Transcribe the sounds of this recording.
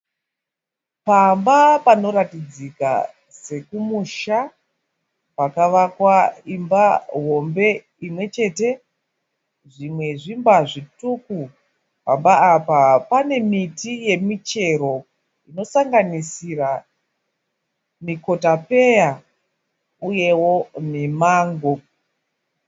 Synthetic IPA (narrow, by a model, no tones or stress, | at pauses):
pambapano̞ɾatid͡zika̰ | se̞kumuʃa | pakaʋakwaimbaɦo̞mbe̞ | imwe̞t͡ʃe̞te̞ | ʐimwe̞ʐimbaʐituku | pa̰mbaːpapane̞mitije̞mit͡ʃe̞ɾo̞ | ino̞saŋɡanisira | miko̞tape̞ja | uje̞wo̞mimaːŋɡo